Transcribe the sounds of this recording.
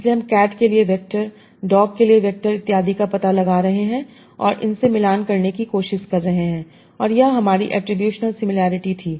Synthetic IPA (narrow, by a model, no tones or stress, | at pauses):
ɪsleɦɐmkɛːʈkelieʋɛk̚ʈəɾ | ɖɔːkkːelieʋɛk̚ʈəɾɪt̪ːɪjaːd̪ikapɐt̪alɐɡaːɾɐɦeɦɛ̃ː | ɔ̰ːɾʔɪ̰nsemɪlaːnkɐɾnekikoːʃɪʃkɐɾːɐɦeɦɛ̃ː | ɔːɾjɐɦɦɐmaːɾiʔɛ̰ːʈɾɪbjuːʃnəlsɪmɪlaːɾɪʈit̪ʰiː